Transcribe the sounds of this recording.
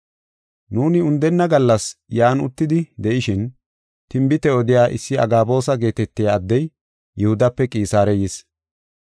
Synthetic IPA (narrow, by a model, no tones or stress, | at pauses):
nuːnɪʊnd̪ɛnːɐɡɐlːɐsjaːnʊ̰t̪ːɪd̪ɪd̪ɛʔɪʃɪn | t̪ɪmbɪt̪ɛɔd̪ɪjaːʔɪsːɪɐ̰ɡaːbo̞ːsɐɡe̞ːt̪ɛt̪ːɪjaːd̪ːɛj | jɛhʊd̪ɐpːɛkʼiːsaːɾɛjɪs